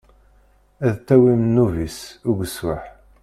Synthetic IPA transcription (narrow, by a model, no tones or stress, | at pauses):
æðt̪ːæwimnːuvisʊɡəswaħ